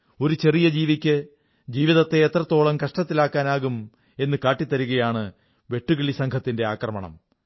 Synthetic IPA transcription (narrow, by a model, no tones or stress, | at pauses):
o̞ɾut͡ɕe̞rijɐd͡ʑiːʋikʲːɨ | d͡ʑiːʋiðɐt̪ːe̞ːt̪rɐt̪ːo̞ːɭɐmkɐʂʈɐt̪ːilaːkːaːnaːɣum | e̞nːɨkaːʈːit̪ːɐɾuɣɐjaːɳɨ | ʋe̞ʈːuɣiɭisɐŋkʰɐt̪ːinde̞aːkrɐmɐɳɐ̰m